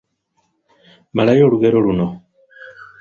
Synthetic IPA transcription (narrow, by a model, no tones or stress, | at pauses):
malajoluɣeɾoluno